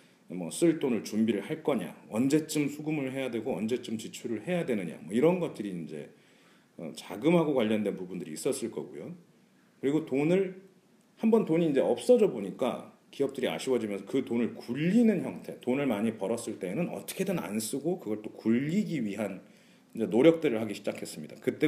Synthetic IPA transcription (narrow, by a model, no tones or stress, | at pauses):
mʌs͈ɯɭt͈onɯɭt͡ɕumbiɾɯɭhaɭk͈ʌɲa̰ʌnd͡ʑe̞t͡ɕ͈ɯmsʰuɡumɯɭɦe̞jadwe̞ɡoʌnd͡ʑe̞t͡ɕ͈ɯmt͡ɕit͡ɕʰuɾɯɭhe̞jadwe̞nɯɲa̰mwʌiɾʌnɡʌt̚t͈ɯɾiːnd͡ʑe̞̰ | ʌ̰t͡ɕaɡɯmɦaɡokwaʎːʌndwe̞npubundɯɾiːs͈ʌs͈ɯɭk͈ʌɡujo | kɯɾiɡotonɯɭ | hambʌntoɲiːnd͡ʑe̞ʌp̚s͈ʌd͡ʑʌboɲik͈a̰ | kiʌp̚t͈ɯɾia̰ɕʰiwʌd͡ʑimjʌnsʰʌkɯtonɯɭkuʎːinɯnçjʌŋtʰe̞tonɯɭmaɲipʌɾʌs͈ɯɭt͈e̞ːnɯnʌ̰t͈ʌ̥kʰe̞dena̰ns͈ɯɡokɯɡʌɭt͈okuʎːiɡiɥiɦan | ind͡ʑe̞noɾjʌk̚t͈ɯɾɯɭhaɡiɕʰid͡ʑakʰe̞s͈ɯmɲidakɯt͈e̞